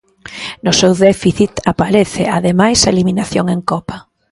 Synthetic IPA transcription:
nʊsewðɛfiθit̪apaɾeθɪaðemajsaeliminaθjoŋeŋkɔpa

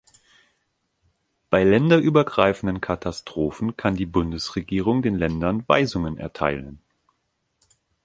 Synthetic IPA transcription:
b̥aɪlɛndɐʔyːbɐɡʁa̰ɪfn̩dənkʰatʰastʁ̥oːfn̩kʰandiːbʊndəsʁ̥eɡiːʁʊŋdeːnlɛndɐnva̰ɪzʊŋənʔɛ̰ɐtʰa̰ɪlən

